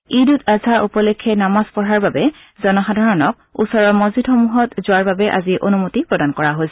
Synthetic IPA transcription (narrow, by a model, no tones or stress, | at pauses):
idutazʱaʔupɔlekʰːɛnamaspɔɹaɹbabɛ | zɔnɔxadʱaɹɔnɔk̚ṵsɔɹɔmozidxomuɦɔtzʊwaɹbabɛʔa̰ziʔonumutipɹɔdankɔɹaɦojsɛ